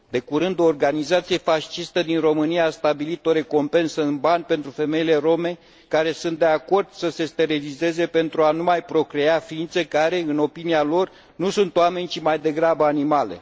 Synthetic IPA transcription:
d̪e̞kuɾɨnd̪o̞ːrɡanizat̪sije̞faʃt͡ʃist̪əd̪inro̞mɨnijaːst̪abilit̪o̞ɾe̞ko̞mpe̞nsəɨnbanʲpe̞nt̪ɾufe̞me̞jile̞ro̞me̞ | kaɾe̞sunt̪d̪e̞ako̞rd̪̥səse̞st̪e̞ɾilize̞ze̞pe̞nt̪ɾuanumajpɾo̞kɾe̞afiint̪se̞kaɾe̞ɨno̞pinialo̞r | nusunt̪owame̞nʲt͡ʃimajd̪e̞ɡɾabəanimale̞̰

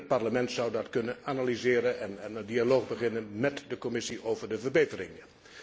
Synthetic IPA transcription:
t̚pɑɹləmɛntsʌwdɑtkɵnənanalizɪːɾənɛnɛnəndialoːχbəχɪnənmɛtdəkɔmɪsiʔowvəɹdəvəɹbejtərɪ̰ŋ

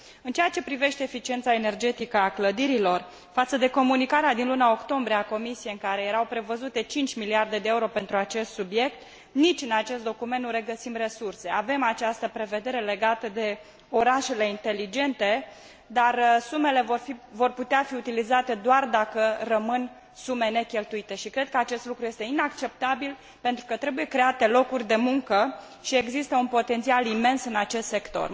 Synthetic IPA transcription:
ɨnt͡ʃejat͡ʃe̞pɾive̞ʃt̪e̞ːfit͡ʃie̞nt̪saene̞rd͡ʒe̞t̪ikəakləd̪iɾilo̞r | fat̪səd̪e̞ko̞munikaɾead̪inlunao̞kt̪o̞mbɾieako̞misijeɨŋkaɾe̞jeɾawpɾe̞vəzut̪e̞t͡ʃint͡ʃʲmiliard̪e̞d̪eeuɾo̞pe̞nt̪ɾuat͡ʃe̞st̪subje̞k̚t̪ | nit͡ʃʲɨnat͡ʃe̞st̪d̪o̞kument̪nuɾe̞ɡəsimre̞surse̞ave̞mat͡ʃast̪əpɾe̞ve̞d̪e̞ɾe̞le̞ɡat̪əd̪e̞ | o̞ɾaʃe̞le̞int̪e̞lid͡ʒe̞nt̪e̞ | d̪arsume̞le̞vovo̞rput̪eafiut̪ilizat̪e̞d̪oard̪akərəmɨn | sume̞ne̞kʲe̞lt̪uit̪e̞ʃikɾe̞d̪̚kəat͡ʃe̞st̪lukɾuje̞st̪e̞inakt͡ʃe̞p̚t̪abil | pe̞nt̪ɾukət̪ɾe̞buje̞kɾe̞at̪e̞lo̞kurʲd̪e̞muŋkə | ʃie̞ɡzist̪əunpo̞t̪e̞nt̪sialime̞nsɨnat͡ʃe̞st̪se̞kt̪o̞̰r

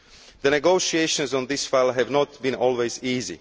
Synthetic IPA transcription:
ðənɛɡoʊʃieʃə̃nzɔ̃nd̪ɪsfaɪlˠɦɛvnɔt̚bĩnɔlˠweziːzḭ

